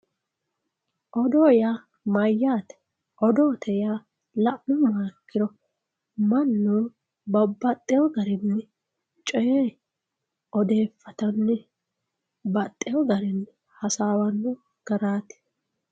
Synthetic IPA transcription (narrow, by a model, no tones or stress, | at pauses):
ʔɔd̪oːja | mɐjːaːt̪ɛ̥ | ʔɔd̪oːt̪ʰɛja | lɐʔʊmaɾkːɪɾɔ | mɐnːu | bɐbːɐt̪ʼːɛjɔɡɐɾɪnːɛ | t͡ʃʼɔjeː | ɔd̪e̞ːfːɐt̪ɐnːɛ | bɐt̪ʼːɛjɔɡɐɾɪnːɛ | hɐsaːwɐnːʊ | ɡ̥ɐɾaːt̪ɛ̥